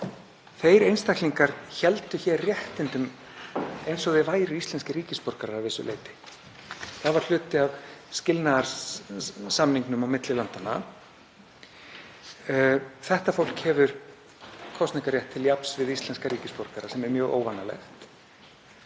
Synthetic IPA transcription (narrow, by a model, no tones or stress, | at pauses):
θejɾejnst̪ajkliŋkaɾ̥çɛlt̪ʏçɛrjɛht̪ɪnt̪ʏm | ejnsɔɣðɪvaːjɾʏist̪lɛnscɪɾiːcɪspɔɾkaɾaavɪsʏ̰lḛjt̪ɪ̥ | θaðvaɾ̥l̥ʏːt̪ɪavscɪlnaðaɾ | samniŋknʏmawmɪt̪lɪlant̪ana̰ | θɛht̪afowl̥khɛvʏɾ̥ | kʰɔst̪niŋkaɾjɛht̪ʰːɪljapn̥svɪðist̪lɛnskaɾiːcɪspɔɾkaɾasɛmɛɾmjœːɣo̰ːwvanːalɛ̰xt̪